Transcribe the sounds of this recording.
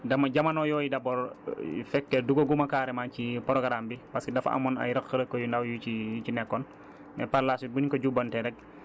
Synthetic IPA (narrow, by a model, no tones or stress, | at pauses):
dɐmaɟamanɔjɔːjidabɔɾ̰fɛkːɛduɡoɡumakaːɾɛmaːncipɔɾɔɡɾambipaskidɐfa̰mɔna̰jɾɐkːəɾəkːojundawjut͡ʃijut͡ʃinɛkːɔn | mɛ̰paɾlasubunikoɟubɐntɛɾɛk̚